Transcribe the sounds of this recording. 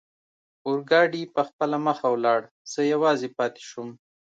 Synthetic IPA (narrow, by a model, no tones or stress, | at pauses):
ʊɾɡɑɖipəxpəlaməxawlɑɽ | z̥əjawɑzepɑt̪e̥ʃʊm